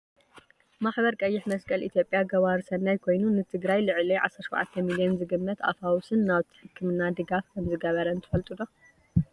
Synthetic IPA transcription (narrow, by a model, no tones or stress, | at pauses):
maħbɐɾkʼɐjːɪħmɐskʼɐlʔit̪ʰjo̞pʼjaɡɐβaɾɨsɐnːajkʰo̞jnunɨt̪ʰɨɡɾajlɨʕɨliʕa̰sɐɾʃwʕa̰t̪ʰːɐmilijɛnzɨɡɨmːɐt̪a̰fawusɨnːaβt̪ʰɨ̥ħɨkːɨmɨnːad̪ɨɡafkʰɐmzɨɡɐβɐɾɐɨnt̪ʰɨ̥fɐlt̪ʼud̪o